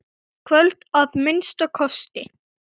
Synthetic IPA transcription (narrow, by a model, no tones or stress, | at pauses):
kʰvœlt̪avmɪnst̪ɔkʰɔst̪ɪ